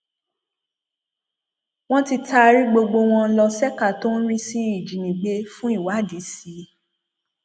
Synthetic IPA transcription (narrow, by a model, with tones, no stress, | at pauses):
w̃ɔ̃˦ti˧ta˦˧ɾi˦ɡ͡bo˧ɡ͡bo˧w̃ɔ̃˧n̩˦lɔ˧sɛ˦ka˦˨to˦n̩˦ɾi˦si˦i˨d͡ʒi˨nĩ˨ɡ͡be˧fũ˦i˦˨wa˨˦˨di˨˦si˨˦